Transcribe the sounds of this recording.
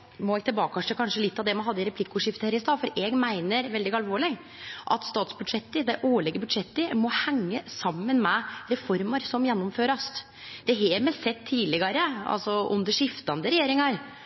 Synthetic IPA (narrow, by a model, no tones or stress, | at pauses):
mɔɛɡt̪ɪlbɑːkɑʂəkʰɑnʂəlɪt̪ːɑʋd̪ɛmɑnɦɑd̪ːəɪɾɛpʰlɪkːʊʂɪft̪əhæːɾɪst̪ɑːfɔɾeːɡmæɪnəɾʋɛld̪ɪɡɑlʋoːɭɪ | ʔɑ̰t̪st̪ɑːt̪sbʉd̪ʂɛt̪ːəd̪æɪʔoːɭɛɡəbʉd̪ʂɛt̪ːəmɔhæŋːəsɑmːənmɛɾɛfɔɾməɾsɔmjɛnːɔmføːɾɑst̪ | d̪̥ɛɦɛmɛsɛt̪ʰːiːlɪɡɑɾəɑ̰lsɔʔʉ̰nd̪əʂɪft̪ɑnd̪əɾɛjeːɾɪŋɑɾ